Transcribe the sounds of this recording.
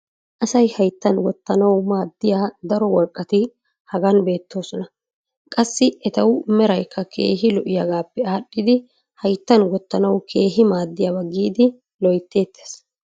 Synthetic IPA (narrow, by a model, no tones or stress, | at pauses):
ʔɐsɐjhɐjt̪ːɐnwɔt̪ːɐnɐwmaːd̪ːɪjaːd̪ɐɾɔwɔɾkʼːɐt̪ɪ | hɐɡɐnbe̞ːt̪ːo̞ːsɔnɐ | kʼɐsːɪɛt̪ɐwmɛɾɐjkʰːɐkʰe̞̰ːɦɪlɔʔɪjɐɡaːpːɛaːɗːɪd̪ɪ | hɐjt̪ːɐnwɔt̪ːɐnɐwkʰe̞ːɦɪmaːd̪ːɪjabɐɡiːd̪ɪ | lɔjt̪ːe̞ːt̪ːes